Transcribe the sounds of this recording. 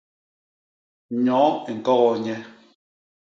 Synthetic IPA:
ɲɔ˨˦i˨ŋ̩˨kɔ˦ɣɔ˨ɲɛ˦

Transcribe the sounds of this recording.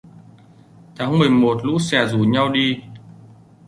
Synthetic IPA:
t̪ʰaː˨˦ŋmɨ˨˩əjmo˨˩t̚lṵ˧˥sɛ˧˩zu˨˩ɲa˧wɗi˧

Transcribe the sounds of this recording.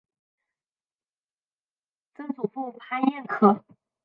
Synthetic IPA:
t͡sə˥nt͡su˨˩fu˥˩ŋpʰa˥njɛ˥˩nkʰɤ˥˧˩

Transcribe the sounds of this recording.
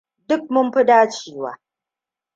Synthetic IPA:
dʊ˦k̚mʊ˦mɸɪ˦daː˦t͡ʃiː˦wa̰ː˦

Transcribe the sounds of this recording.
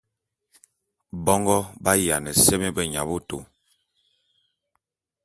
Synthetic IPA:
bɔ˦ŋɡɔ˦ba˦ja˨nɛ˨sɛ˦me˦bɛ˦˨ɲa̰˨bo˦to̰˨

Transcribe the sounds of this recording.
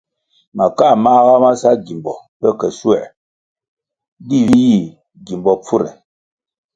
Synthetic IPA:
ma˨ka˦˨ma˦ɣa˦ma˦sa˦ɡi˨mbɔ˨pɛ˦kɛ˨su˦ɛ̰˨ | di˦˨i˦ji˦˨ | ɡi˨mbɔ˨p͡fu˦ɾɛ̰˨

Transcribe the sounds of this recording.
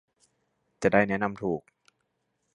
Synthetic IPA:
t͡ɕa˨˩daː˥˩jnɛ˦˥na˧mt̪ʰuː˨˩k̚

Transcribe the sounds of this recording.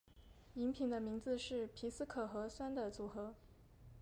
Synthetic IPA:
i˧˥ŋpʰi˧˥ŋd̪ə˧mi˧˥ŋd͡zɹ̩˧ʂɻ̩˥˩pʰi˧˥sɹ̩˥kʰɤ˨˩xɤ˧˥swa˥nd̪ə˨t͡su˨˩xɤ˧˥

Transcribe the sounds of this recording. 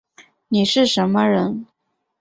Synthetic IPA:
ni˨˩ʂɻ̩˥˩ʂə˧˥nmə˧ɻə˧˥n

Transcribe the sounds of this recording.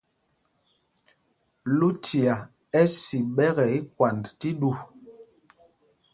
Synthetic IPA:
lu˦tʰi˨a˨ | ɛ˦si˨ɓɛ˦ɣɛ˨i˦kwa˨ndti˦ɗu˦˨

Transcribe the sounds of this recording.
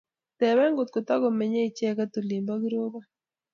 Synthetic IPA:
t̪ɛ˨wɛ˦ŋɡo˨t̪̚ko˨t̪a˦ɡo˨me˨ɲe˦i˨t͡ʃɛ˦ka˦t̪o˨li˨mba˦ɡi˦ɾo˦ba˦

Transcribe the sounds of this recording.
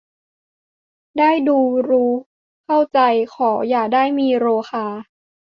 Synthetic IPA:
daː˥˩jduː˧ɾuː˦˥ | kʰa˥˩wt͡ɕa˧jkʰɔː˩˦jaː˨˩k̚daː˥˩jmiː˧ɾoː˧xaː˧

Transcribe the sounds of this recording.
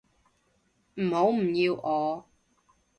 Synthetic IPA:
m̩˨˩ho˨˥wm̩˨˩ji˧wʔɔː˨˧˦

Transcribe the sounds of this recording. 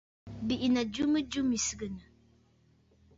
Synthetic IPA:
bi˨ʔi˨na˨d͡ʒu˦mə˦d͡ʒu˦mi˨sə˨ɡə˨nə˨

